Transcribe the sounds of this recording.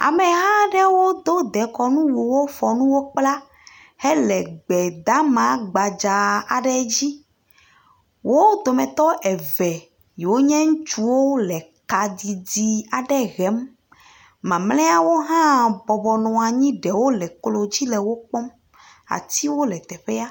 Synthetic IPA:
a̰˨mɛ̃˨ɦã˦ɖɛ˦wo˦d̪o˦d̪ɛ˨kɔ˨nũ˦wu˨wo˦fɔ˨nũ˦wo˦k͡pla˦ | hɛ˦lɛ˨ɡ͡bɛ˨d̪a˦mã˨˦ɡ͡ba˨d͡ʒa˨a˨ɖɛ˦d͡ʑi˦ | wo˦d̪o˨mɛ̃˨t̪ɔ˦ʔɛ˨vɛ˨ | ji˨wo˦ɲɛ̃˦ŋũ˦t͡ʃu˦wo˦lɛ˨ka˨d̪i˨d̪i˨a˨ɖɛ˦ɣɛ˨˦m | mã˨mlɛ˦a˦wo˦ɦã˦bɔ˨bɔ˨nɔ̃˨a˨ɲĩ˦ɖɛ˨wo˦lɛ˨klo˨d͡ʑi˦lɛ˨wo˦k͡pɔ˦m | a̰˨t̪i˦wo˦lɛ˨t̪ɛ˨ɸe˦a˦

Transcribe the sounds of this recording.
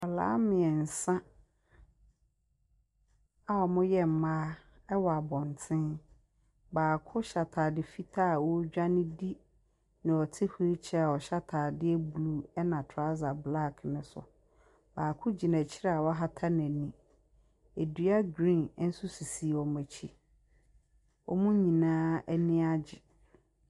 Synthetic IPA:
ɔ˨la̰ː˨˦mɪ̃˨ɛ˨n̩˨sã˦ | a˦ɔ˨mʊ̃˦jɛ˦m̩˨mãː˦ | ɛ˦wɔ˨a˨bɔ̃˨n˨tʰɪ̃˦n | baː˨kʰʊ˦ɕa˨tʰaː˨dɪ˨fi˦tʰa˦˨wɔ˦d͡ʑᶣa˦nɪ̃˦di˦ | nɪ̃˨ɔ˨tʰɪ˦hu˦ɾi˦t͡ɕʰɛ˦a˨wɔ˨ɕa˦tʰaː˨dɪ˦ɛ˦bu˨lu˨˦ɛ˦nã˨tʰa˦za˨bla˦˨kʰnɪ̃˨sʊ̰˨ | baː˨kʰʊ˦d͡ʑi˨nɛ̃˨t͡ɕʰɪ˦ɾɛ˦a˨wɔ˦ɦa˦tʰa˦nɛ̃˨nĩ˨ | e˨dɥa˦ɡɾĩ˦˨n˦n̩˦sʊ˦si˨si˨wɔ˨mæ̃˨t͡ɕʰi˦ | ɔ̰˨mũ˦ɲĩ˨nãː˦æ˦nĩ˦a˦d͡ʑɪ˨

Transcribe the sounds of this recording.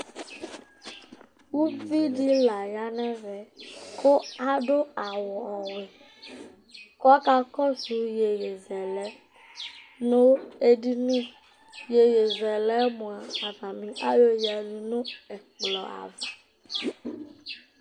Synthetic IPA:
wu˦vi˦ɖi˦la˨ja˦nɛ̃˦vɛ˨kʰo˦a˦ɖo˦a˨wɔ˨ɔ˨we˨ | kɔ˦ka˦kɔ˦su˨je˨je˨zɛ˨lɛ˦ | nõ˦we˦ɖi˦nũ˦ | je˨je˨zɛ˨lɛ˦mũ˨a˨a˨va˨mĩ˨ʔa˦jo˦ja˨nĩ˨nũ˦ɛ˨k͡plɔ˨a̰˨va˨

